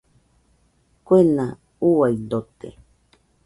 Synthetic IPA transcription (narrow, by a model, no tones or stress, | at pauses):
kʷena | uajd̪ot̪ḛ